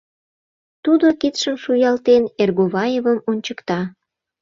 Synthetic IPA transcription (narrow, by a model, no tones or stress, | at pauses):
t̪ud̪okit̪ʃəmʃujɑlt̪enerɣoβɑjevəmonʲt͡ɕəkt̪ɑ